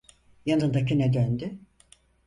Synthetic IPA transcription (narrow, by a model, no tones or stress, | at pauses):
janɯnd̪akinɛd̪ønd̪y